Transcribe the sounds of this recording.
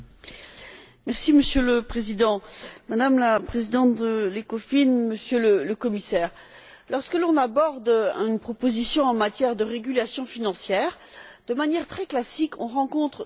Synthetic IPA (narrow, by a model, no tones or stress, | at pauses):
mɛʁsiməsjøləpχezid̪ɑ̃mad̪amlapχezid̪ɑ̃t̪d̪əlekɔfinməsjølələkɔmisɛːʁ | lɔʁskəlɔ̃nabɔʁd̪aynpχɔpozisjɔ̃ɑ̃mat̪jɛʁd̪əʁeɡʲylasjɔ̃finɑ̃sjɛːʁd̪̥əmanjɛʁt̪χɛklasikʰɔ̰̃ʁɑ̃kɔ̃t̪χ